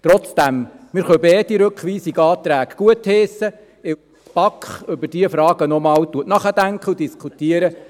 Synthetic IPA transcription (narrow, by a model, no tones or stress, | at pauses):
t̪ɾɔt͡sd̥æmmɪɾχœbɛːtiɾɵkχʋiːsiɡɑːt̪ɾæːɡ̥ɡ̥uətheːsə | ɪ | t͡spɑkχʏbəɾd̥iəfɾɑːɡənɔmɑːwt̪uətnɑχədæŋkʰəudiskχutiəɾə